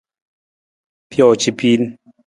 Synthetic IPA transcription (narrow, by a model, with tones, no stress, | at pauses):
pʰjɔ˨t͡ʃi˨pʰi˦n